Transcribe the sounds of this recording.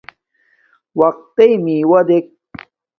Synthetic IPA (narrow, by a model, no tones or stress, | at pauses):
wɐq̚t̪ejmiwɐd̪ek̚